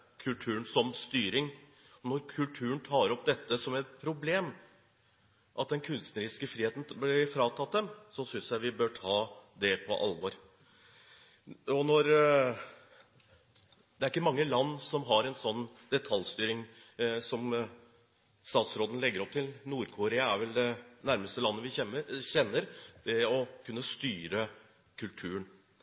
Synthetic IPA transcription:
kʰʉlt̪ʰʉːɳsɔmst̪yːɾɪŋ | ɔnɔɾkʰʉlt̪ʰʉːənt̪ʰɑːɾɔp̚d̪ɛt̪ːəsɔmæpʰɾʊbleːm | ʔɑt̪̚d̪ɛnkʰʉnst̪nəɾiːskəfɾiːeːt̪n̩blɪɾfɾɑːt̪ʰɑt̪̚d̪ɛmsɔsʏnsjæɪʋɪbøːʈʰɑːd̪ɛpʰɔ̰ʔɑ̰lʋɔɾ | ɔnɔɾ | d̪ɛæɾɪkːəmɑŋːəlɑnːsɔmɦɑɾɛnsɔnːd̪ɛt̪ʰɑljst̪yːɾɪŋ | sɔm | st̪ɑːt̪sɾoːd̪ənlɛɡːəɾɔp̚t̪ʰɪlnuːɾkʰʊɾeːɑæɾʋɛld̪ɛnæɾməst̪əlɑnːəʋɪçɛnːəɾd̪̥ɛɔkʰʉnːəst̪yːɾə | kʰʉlt̪ʰʉːən

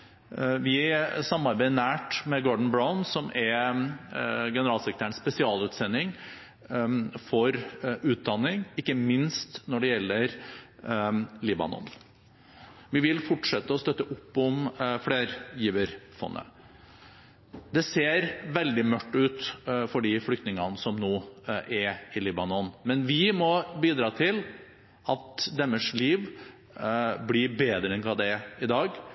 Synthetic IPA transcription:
ʋɪsɑmːɑɾbæɪnæːʈmɛɡɔɖɳ̩bɾaʊnsɔmʔɛɾ | ɡɛnəɾɑːlsɛkɾt̪ʰæːəɳspɛsɪɑːlʉːt̪sɛnːɪŋ | fɔɾʉːt̪̚d̪ɑnːɪŋɪkːəmɪnst̪nɔɖɛjɛlːəɾ | liːbɑ̰nɔ̰n | ʋɪʋɪlfɔʈʂɛt̪ːəɔst̪œt̪ːəʔʊpːɔmfleːɾjiːʋəɾfɔ̰nːə̰ | d̪ɛseːɾʋɛld̪ɪmœʈːʉːt̪fɔɖiːflʏkt̪nɪŋɑnəsɔmnoːʔɛɾɪliːbɑnɔnmɛnʋɪmɔbiːd̪ɾɑːt̪ʰɪl | ʔɑt̪d̪ɛmːəʂliːʋ | blɪɾbeːd̪ɾəɛnkʰɑd̪ɛɪd̪ɑːɡ

